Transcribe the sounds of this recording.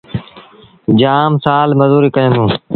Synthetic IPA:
d͡ʒaːmsaːlməzuːɾiːkəjə̃nd̪ũː

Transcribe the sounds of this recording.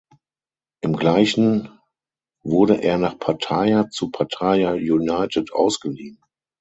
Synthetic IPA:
ʔɪmɡlaɪçn̩ | vʊɐɾəʔeːɐnaːχpʰatʰaɪat͡supʰatʰaɪajunaɪtʰətʔa̰ʊsɡ̥əliːn

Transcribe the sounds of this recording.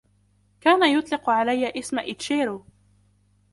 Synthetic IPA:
kaːnajʊt̪ˤlɪqʕalajːaʔɪsmaʔɪt̪ʃeːɾu

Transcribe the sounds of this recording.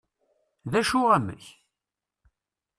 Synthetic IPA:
ðæʃʊʁæmə̰ç

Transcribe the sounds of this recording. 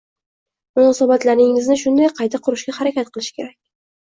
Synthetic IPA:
mʊnɒsabat̪laɾɪŋɪznɪʃʊnd̪ajqʰɑjt̪ʰaqʰʊɾɪʃɡʲahaɾakʲat̪̚qʰɨlˠɪʃɪ̥kʲʰe̞ɾakʲ

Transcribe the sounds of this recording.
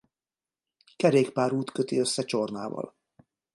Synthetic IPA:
kɛɾeːkpaːɾuːt̪køt̪iøsːɛt͡ʃorna̰ːvɒ̰l

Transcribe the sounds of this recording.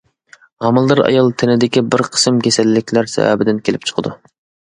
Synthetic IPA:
ʁɑmɨlˠd̪ɨɾɑ̰jɑlˠt̪ʰɪnɪd̪ɪkʲibɪɾqʰə̥sɨmkʲesɛlːɪkʲlæɾsɛ̰væ̰bɪd̪ɪnkʲʰelɪp̚t͡ʃʰə̥qʰəd̪ṵ

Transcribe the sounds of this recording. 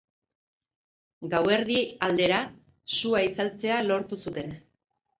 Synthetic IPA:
ɡawe̞ɾðiald̪e̞ɾa | suait͡salt͡se̞alo̞ɾt̪usut̪e̞n

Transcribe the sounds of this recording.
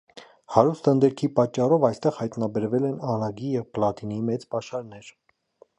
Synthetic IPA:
hɑɾust̪ənd̪ɛɾkʰipɑt͡ʃːɑrɔvɑjst̪ɛʁhɑjt̪nɑbɛɾvɛlɛnɑnɑɡijɛvplɑt̪inimɛt͡spɑʃɑɾnɛɾ

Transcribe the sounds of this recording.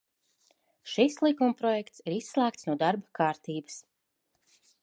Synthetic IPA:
ʃislˠikumpɾɔjɛkt̪siɾisːlˠæːk̚t̪snuɔd̪aɾbakʰaːɾt̪iːbəs

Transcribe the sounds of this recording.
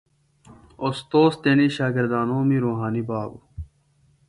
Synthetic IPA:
ost̪oːst̪eniɕaːɡeɾd̪aːnõːmiɾoːɦaːnibaːb

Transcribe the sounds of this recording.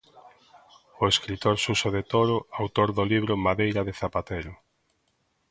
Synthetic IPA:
ʊeskɾit̪oɾsusoðet̪oɾʊawt̪oɾðʊliβ̞ɾʊmaðejɾɐðɪθapat̪eɾʊ

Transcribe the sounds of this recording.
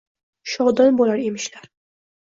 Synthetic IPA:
ʃɒʁd̪ɒnbolaɾemɪʃlaɾ

